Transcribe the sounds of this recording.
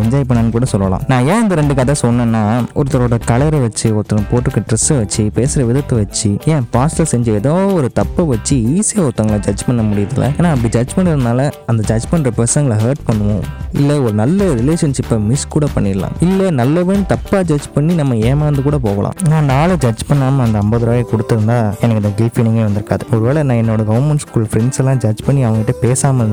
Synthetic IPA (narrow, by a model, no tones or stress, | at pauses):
ɛɲd͡ʒaːjɪpɐɳːɐnːɯkuːɽɐsɔlːʋɐlã̰ːnãːẽːɐnd̪ɐɾɛɳɖɯk̬ːaːt̪ːãːsɔnːẽːnːaːʔɔɾɯt̪ːɐɾoːɽɐkɐɭɐɾɛʋɐt͡ʃːɯɔɾt̪ːɐ̃poːʈːɯkːɐʈɾɪsɐʋɐt͡ʃːipeːsɪɾɐʋɪðɐt̪ːɯʋɐt͡ʃːɯẽːpaːslɐsɛɲd͡ʒɯɛðaːʋɔɾɯt̪ɐpːɐʋɐt͡ʃːɯiːsɪjaɔt̪ːɐŋɡɐɭɐd͡ʒɐd͡ʒpɐɳːɐmʊɽɪjɐðɪlːɐ̰eːnaːɐpːɽid͡ʒɐd͡ʒpɐɳɖɪɾɯnd̪aːlɐɐnd̪ɐd͡ʒɐd͡ʒpɐɳɖɾɐpɾɛsɐŋɡɐɭɦeːɾʈpɐɳːɯʋõ̰ːɪlːɐɔɾɯnɐlːɐɾɪleːʂɐnʂɪpːɐmɪskuːɽɐpɐɳːɪlːã̰ːɪlːɛnɐlːɐʋeːnɯt̪ɐpːaːd͡ʒɐd͡ʒpɐɳːinɐmːɐeːmaːnd̪ɯkuːɽɐp̬oːɣɐlʔã̰ːnãːnaːlɐd͡ʒɐd͡ʒpɐɳːaːmɐɐnd̪ɐɐmbɐðɪɾaːjɐkɔɽɯt̪ːɯɾɯnd̪aːɛnɐkːɯnd̪ɐɡɪlfinɪŋɡeːʋɐnd̪ɪɾɯkːaːðɯɔɾɯʋeːɭɛnãːɛnːoːɽɐɡɐʋɐmɛɳʈskuːlfɾɛɳɖsɛlːãːd͡ʒɐd͡ʒpɐɳːiɐʋɐŋɡɐɪʈːɐpeːsaːmɐɾnd̪